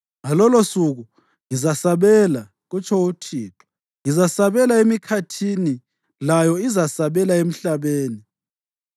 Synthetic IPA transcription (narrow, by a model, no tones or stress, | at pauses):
ŋalɔlosuɣu | ŋizasaβɛla | ɣut͡ʃʼʰɔwutʰiːtʰɔ̥ | ŋizasaβɛlaemikʰatʰini | lajɔizasaβɛlaem̩ɬaβeːni